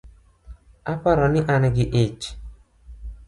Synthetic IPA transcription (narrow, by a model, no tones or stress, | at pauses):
apaɾɔnɪʔanaɡɪʔet͡ʃ